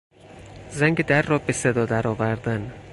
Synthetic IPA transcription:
zæŋɡed̪æɾːɒːbesed̪ɒːd̪æɾɒːvæɾd̪æn

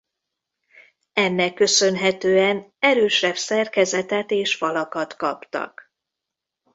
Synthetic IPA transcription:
ɛnːɛkːø̞sø̞nɦɛt̪øːɛnɛɾøːʃɛbsɛrkɛzɛt̪ɛt̪eːʃfɒlɒkɒt̪kɒpt̪ɒ̰k

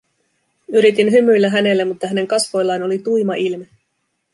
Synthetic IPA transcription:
yɾit̪inɦymːyjlːæɦæne̞lːemut̪ːɑɦæne̞ŋkɑsʋo̞jlːɑjno̞lit̪ujmɑʔilme

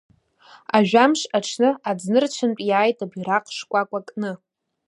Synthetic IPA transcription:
aʒᶣamʂʼaʈ͡ʂʰnɨad͡znɨrt͡ʃʷʰɨnpʼjaːjtʼabiɾaqʼʂkʷʼakʷʼakʼnɨ

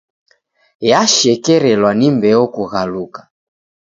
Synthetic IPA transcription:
jaʃɛkɛɾɛlwanimbɛɔkuɣalukḁ

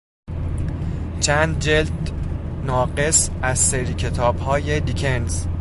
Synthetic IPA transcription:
t͡ʃʰæːnd̪̚d͡ʒeld̪ | nɒːɢe̞sæzseɾiːcʰe̞t̪ʰɒːb̥hɒːje̞d̪icʰenz̥

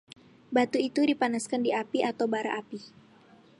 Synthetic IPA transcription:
bat̪uit̪udipanaskandiʔapiʔat̪awbaɾa̰ʔapi

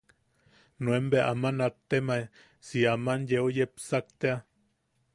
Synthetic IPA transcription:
nuembeaʔamanat̪ːema | siamanjeojepsak̚t̪ea

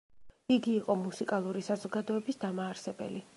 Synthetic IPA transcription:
iɡiːqʼɔmusikʼalˠuɾisazɔɡad̪ɔɛbisd̪amaːɾsɛbɛ̰li

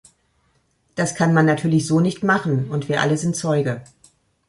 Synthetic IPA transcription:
d̥askʰanmanːatʰyːɐlɪçz̥oːnɪçtmaχn̩ʊntv̥iːɐʔa̰ləzɪntt͡sɔʏɡə

